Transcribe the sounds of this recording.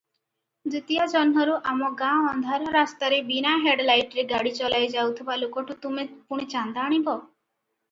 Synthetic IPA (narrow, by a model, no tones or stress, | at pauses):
dit̪ijad͡ʒɔnɦɔɾuʔamɔɡãɔnd̪ʱaɾɔɾast̪aɾebinaɦeɖlajʈɾeɡaɽit͡ʃɔlajd͡ʒawt̪ʰibalokɔʈut̪umepuɽ̃it͡ʃand̪aːɽ̃ibɔ